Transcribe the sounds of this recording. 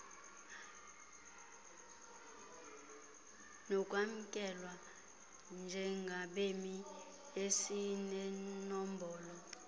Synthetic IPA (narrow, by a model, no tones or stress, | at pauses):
nɔkʼwam̩kʼɛlwa | nd͡ʒʱɛŋɡʱaɓemi | esinɛnɔmbʱɔːlɔ